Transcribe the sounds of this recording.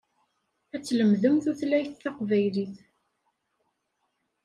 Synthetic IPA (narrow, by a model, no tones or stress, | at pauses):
æt͡sːləmðəmθuθlæjθːɑqvæjliθ